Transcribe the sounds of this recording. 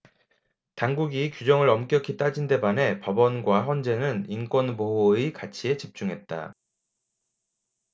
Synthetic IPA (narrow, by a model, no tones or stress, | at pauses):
taŋɡuɡikjud͡ʑʌŋɯɾʌmk͈jʌkʰit͈ad͡ʑinde̞bane̞pʌbʌnɡwaɸjʌnd͡ʑe̞nɯnink͈wʌnmoɦoikat͡ɕʰie̞t͡ɕip̚t͡ɕ͈uŋɦe̞t̚t͈a̰